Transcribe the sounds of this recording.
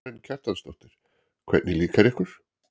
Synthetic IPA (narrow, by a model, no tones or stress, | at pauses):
ɪnːcʰal̥t̪anst̪ɔwht̪ɪɾ̥ | kʰvɛ̰t̪nɪliːkaɾɛhkʏɾ̥